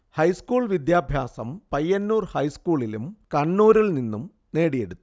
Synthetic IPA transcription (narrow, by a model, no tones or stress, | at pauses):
hɐjskuːɭʋid̪jaːbʱjaːsɐmpɐjːɐnːuːrhɐjskuːɭilumkɐɳːuːɾiɭninːum | ne̞ːɽije̞ɽut̪ːu̥